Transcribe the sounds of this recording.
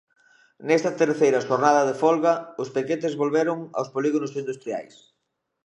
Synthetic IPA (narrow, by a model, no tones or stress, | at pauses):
nɛst̪ɐt̪eɾθejɾɐʃoɾnaðɐðefɔlɣɐʊspeket̪ezβolβeɾʊŋa̰wspoliɣonʊsind̪ust̪ɾia̰js